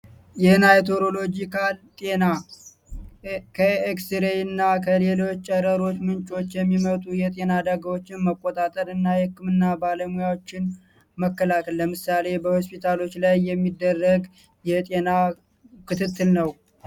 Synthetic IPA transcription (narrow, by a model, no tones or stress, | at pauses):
jɛnajt̪ʰo̞ɾo̞lo̞d͡ʒikalt̪ʼe̞na | kʰəeksiɾejɨnːakʰəle̞lo̞t͡ʃːt͡ʃʼəɾəɾo̞t͡ʃːmɨnt͡ʃʼo̞t͡ʃːjɛmːimət̪ʼujɛt̪ʼe̞nad̪aɡəwo̞t͡ʃːɪnməkʼːot̪ʼat̪ʼəɾɨnːajɛhɨkːɨmɨnːabaləmujawot͡ʃːɪn | məkːəlakʰəlləmɨsale̞bəho̞spit̪ʰalo̞t͡ʃːlajːɛmːid̪ːərːəɡ | jɛt̪ʼe̞na | kʰɨt̪ʰɨt̪ːɨlnəw